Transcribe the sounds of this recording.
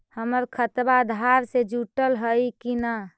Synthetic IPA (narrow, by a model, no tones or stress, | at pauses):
həməɾkʰət̪bad̪ʱaɾsed͡ʒuʈəlɦəjkina